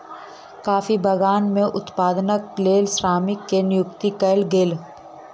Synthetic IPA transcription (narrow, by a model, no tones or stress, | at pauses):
kaːfibʱɐɡaːnmẽʔʊt̪paːd̪nək̚leːlsɾaːmɪkːenɪjʊkt̪ikɐɪlɡɪl